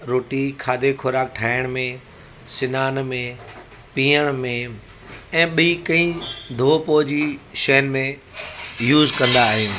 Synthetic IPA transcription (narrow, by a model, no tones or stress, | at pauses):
ɾoːʈikʰaːd̪ʱekʰʊɾaːk̚ʈʰaːɪɽ̃mẽ | sɪnaːnmẽ | pĩːəɽ̃mẽ | ɛ̃ːɓikɐ̃ĩd̪ʱoːpoːd͡ʑiʃɐɦənmẽ | juːzkɐ̃nd̪aːɦeː